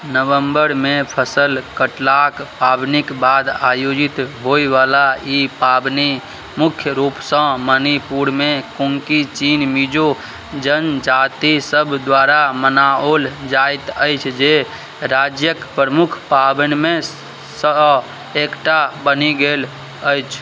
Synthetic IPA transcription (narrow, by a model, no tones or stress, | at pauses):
nəʋəmbəɾmepʰəsəlkəʈlakpabnikbad̪ajod͡ʒit̪ɦoiʋalaipabni | mukʰjəɾupsə̃mənipuɾmekũŋkit͡ʃinmid͡ʒo | d͡ʒənd͡ʒat̪isəbʱd̪waɾamənaold͡ʒajt̪əjt͡ʃʰd͡ʒe | ɾad͡ʒjəkpɾəmukʰpabənme | sə | ekʈabəniɡel | əjt͡ʃʰ